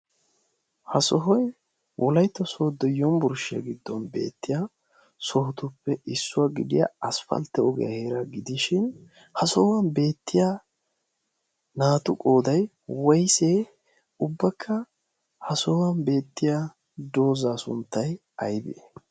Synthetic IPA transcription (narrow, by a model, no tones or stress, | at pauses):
hɐsɔɦɔj | wʔɔlɐjt̪ːɔsɔd̪ɔjːɔmbʊɾʃɪja̰ɡɪd̪ːɔnbe̞̰ːt̪ːɪja | sɔhɔt̪ʊpːɛʔɪsːʊwaːɡɪd̪ɪ̰ja̰ɐsfɐ̰lt̪ːɛɔɡɛ̰jɐ̰heːɾɐɡɪd̪ɪʃɪn | hɐsɔhwɐnbe̞ːt̪ːɪja | naːt̪ʊkʼoːd̪ɐj | wɐjseː | ʊbːɐkʰːɐ | hɐsɔwɐnbe̞ːt̪ːɪja | d̪o̞ːzaːsʊ̰nt̪ːɐj | ɐjbḛ